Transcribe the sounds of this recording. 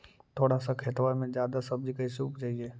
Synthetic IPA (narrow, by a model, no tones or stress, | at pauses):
t̪ʰoːɽasakʰeːt̪ʋaːɾmẽd͡ʒjaːd̪asɐb̚d͡ʒikaɪsuupd͡ʒaːɦieː